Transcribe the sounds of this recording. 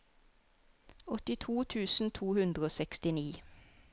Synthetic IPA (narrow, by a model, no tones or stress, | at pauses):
ɔt̪ɪt̪ʰuːt̪ʰʉːsn̩t̪ʰuːhʉnd̪ʁəoːsɛkst̪ɪniː